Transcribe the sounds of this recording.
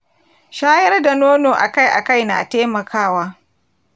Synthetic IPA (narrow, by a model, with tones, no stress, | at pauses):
ʃaː˦jɐ˦rda˨noː˦noː˨ʔa˨ka˦˨jʔa̰˨ka˦˨jna̰ː˨teː˦mɐ˨kʰaː˦waː˦